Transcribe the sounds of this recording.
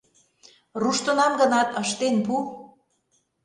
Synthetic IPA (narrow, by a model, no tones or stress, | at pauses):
ruʃt̪ə̆nɑmɡə̆nɑt̪əʃt̪enpu